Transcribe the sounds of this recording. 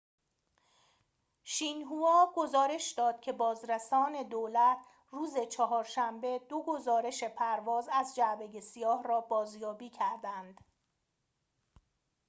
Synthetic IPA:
ʃiːnɦuɒːɡ̥o̞zɒːɾe̞ʃd̪ɒːd̪̥̚cʰe̞bɒːzɾæsɒːne̞d̪oːlæt̪ʰ | ruːze̞t͡ʃʰɒɦɒːɾʃæmbed̪̥o̞ɡo̞zɒːɾe̞ʃe̞pʰæɾvɒːzæzd͡ʒæʔbeje̞sijɒːhrɒːbɒːzjɒːbiːcʰæɾd̪ænd̪̥

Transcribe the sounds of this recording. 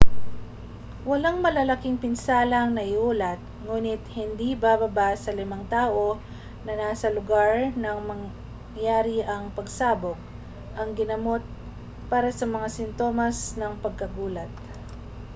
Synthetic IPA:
wɐlaŋmɐlɐlɐkɪŋpɪnsaːlɐŋnɐʔɪʔuːlɐt̪̚ŋuːnɪt̪̚hɪnd̪ibabɐbasɐlɪmaŋt̪aːʔo̞ | nɐnaːsɐlʊɡaɹnɐŋmɐŋ | jaːɾiʔɐŋpɐɡsaːbok̚ | ʔɐŋɡɪnɐmo̞t̪̚ | paːɾɐsɐmɐŋasɪnt̪o̞ːmɐsnɐŋpɐɡ̚kɐɡuːlɐt̪̚

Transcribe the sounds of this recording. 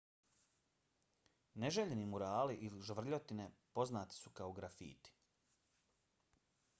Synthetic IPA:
neʒeʎenimuɾaːliʔiliʒʋr̩ʎot̪ine̞po̞znaːt̪i̥sukaoɡɾafḭːt̪i̥

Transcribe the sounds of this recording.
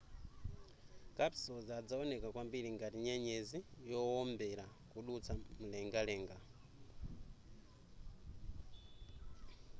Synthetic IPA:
kapsɔzad͡zaɔnɛkakwambiɾiŋɡatiɲɛɲɛzijɔɔmbɛɾakuɗut͡sʰam̩lɛŋɡalɛːŋɡa

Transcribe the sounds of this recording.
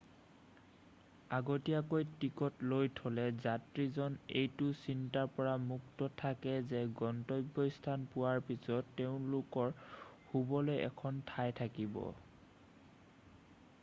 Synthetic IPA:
aɡotiakojtikɔtlojtʰolɛzatɹizɔnejtʊsintaɹpɔɹamuktɔtʰakɛzɛɡɔntɔjbːɔistʰanpuwaɹpisɔtːeʊ̃lʊkɔɹhubɔlojɛ̰kʰɔntʰajtʰakibɔ̰

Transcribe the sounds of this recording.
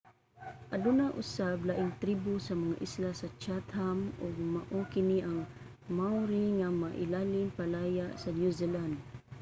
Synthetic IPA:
ʔad̪ʊnaʔʊ̰sablaʔɪŋt̪ɾibʊsamaŋa̰ʔislasat͡ʃat̪hamʊɡ̚maʔokɪniʔaŋ | mawɾiŋamaʔɪlalɪnpalajaʔsanjuziland̪̚

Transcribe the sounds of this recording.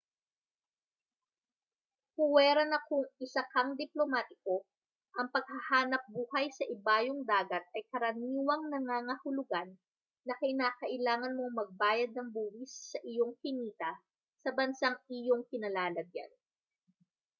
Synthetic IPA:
hʊwɛːɾɐnɐkʊŋɪsɐkɐŋd̪ɪplo̞maːt̪ɪko̞ | ʔɐŋpɐɡ̥̚hɐhaːnɐp̚buːhɐjsɐʔɪbaːjoŋd̪aːɡɐt̪̚ʔɐjkɐɾɐniːwɐŋnɐŋaːŋɐhʊlʊɡanː | ɐkɐʔɪnaːkɐʔɪlaːŋɐnmo̞ŋmɐɡ̚baːjɐd̪̚nɐŋbuːhɪsːɐʔɪjo̞ŋkɪniːt̪ɐ | sɐbɐnsaŋɪjoŋkɪnɐlaːlɐɡja̰n

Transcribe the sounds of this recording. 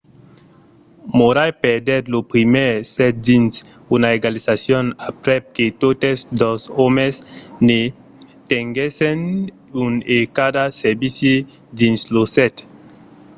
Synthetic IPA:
moɾajpeɾd̪ɛt̪lopɾimɛɾsɛt̪̚d̪ins | unaeɡalisasjonapɾɛp̚ket̪ot̪esd̪ɔsɔmesne | t̪eŋɡesen | unekad̪aseɾbisje | d̪inslosɛt̪

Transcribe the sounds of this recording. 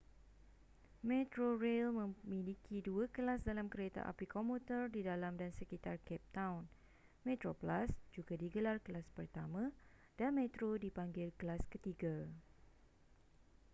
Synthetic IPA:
mɛ̃t̪ɾorelmə̃mĩlikʰiduakəlasdalamkəɾet̪a̰ʔa̰pikɔmut̪ərdidalamdansəkit̪arkɛp̚t̪ãwn | mɛ̃t̪ɾoplasd͡ʒuɡadiɡəlarkəlaspərt̪amã | d̥anmẽt̪ɾodipaŋɡɪlkəlaskət̪iɡa

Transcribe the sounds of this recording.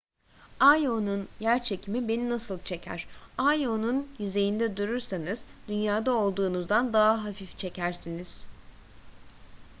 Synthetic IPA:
ajonunjæɾt͡ʃʰe̞cʰimibe̞ninasɯlˠt͡ʃʰe̞cʰæ̰ɾ̥ajonunjyze̞jind̪ɛd̪uɾyɾsanɯz̥d̪ynjaːd̪ao̞lˠd̪uːnuzd̪and̪aɦaɦafift͡ʃʰe̞cʰæɾsiniz̥

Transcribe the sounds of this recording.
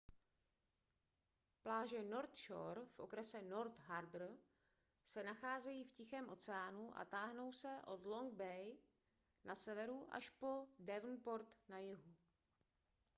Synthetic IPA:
plaːʒɛno̞ɾt̪ʃoɾfʔo̞kɾɛsɛno̞ɾt̪ɦaɾbr̩ | sɛnaxaːzɛjiːfcɪxɛːmʔo̞t͡sɛaːnuʔa̰t̪aːɦno̞wsɛʔo̞dlo̞ŋɡ̚bɛj | nʔasɛvɛɾuʔa̰ʃpo̞dɛvnpo̞ɾt̪najɪɦu

